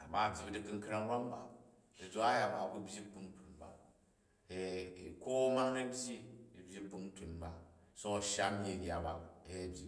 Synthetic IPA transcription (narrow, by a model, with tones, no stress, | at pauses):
a˨ba˨bʲi˨bdi˦kɨ˦ŋ˦kɾa˦ŋ˦ba˦m˦ba̰˨ | i˨d͡ʒo˦a˦ja˨ba̰˨bu˦bʲi˦bu˧n˦tu˨nba̰˨ | e˨ko˦ma˦ŋɐ˦bʲji˦i˨bʲi˦bu˧n˦tu˨nba˨so˦o˨ʃa˦m˦ji˦˨ɡʲa˨ba˨˦˨bʲi˨